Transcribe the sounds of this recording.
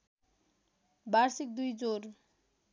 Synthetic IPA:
baɾsik̚d̪ujd͡zoɾ

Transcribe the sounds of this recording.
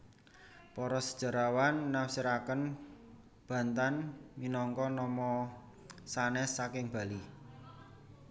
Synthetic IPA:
pɔɾɔsəd̥ʒ̥ə̤ɾawanːawsiɾakən | b̥a̤nt̪anminɔŋkɔnɔmɔ | sanɛsːakɪŋb̥a̤li

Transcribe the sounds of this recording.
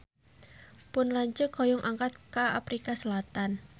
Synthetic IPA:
pʊnlaɲt͡ʃəkojʊŋʔaŋkat̪̚kaa̰pɾikasəlat̪an

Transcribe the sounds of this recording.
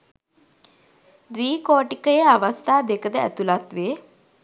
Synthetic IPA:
d̪ʋiːkoːʈikəjəaʋəst̪ʰaːd̪ekəd̪əæ̰t̪ulat̪ʋeː

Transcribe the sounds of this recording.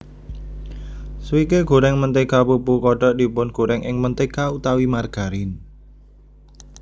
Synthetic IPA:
swikeɡ̥o̤ɾɛŋmənt̪ekapupukɔɖ̥ɔ̤ʔd̪̥i̤pʊnɡ̥oɾɛŋʔɪ̰ŋmənt̪ekaut̪awimarɡ̥a̤ɾɪn

